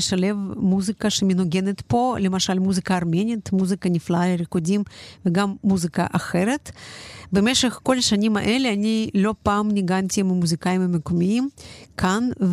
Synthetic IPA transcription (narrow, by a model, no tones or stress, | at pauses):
eʃale̞vmuzikaʃemenoɡe̞net̪po̞le̞maʃalmuzikaːɾmenʲit̪muzikanʲiflaaleɾekodʲimveɡamːuzika̰ʔaxe̞ɾet̪beme̞ʃeχko̞laʃanʲima̰ʔe̞leanilo̞paːmniɡant̪ʲimamuzikajimamekomiimkʰanv